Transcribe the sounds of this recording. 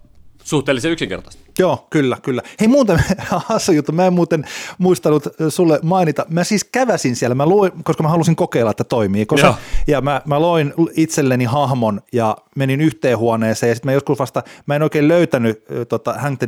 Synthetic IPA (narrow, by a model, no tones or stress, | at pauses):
suht̪eːliseyksiŋkḛrt̪ɑst̪joːkylːækylːæheimuːt̪enɑsujut̪ːumæemmuːt̪enmuist̪ɑnut̪sulːemɑinit̪ɑmæsiːskæʋæsinsiælæmæluikoskɑmæhɑlusiŋkokeilːɑet̪ːæt̪oimiːkosɑjɑmæmæloinit̪selːenihɑhmonjɑmeninyht̪eːhuɑneːseːjɑsit̪mæjoskusʋɑst̪ɑmæenoikeːlløyt̪ænyt̪ot̪ɑhæŋt̪e